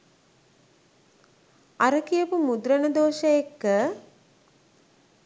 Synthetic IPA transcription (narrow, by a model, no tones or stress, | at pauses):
aɾəkijəpumud̪ɾənəd̪oːʃəjekːə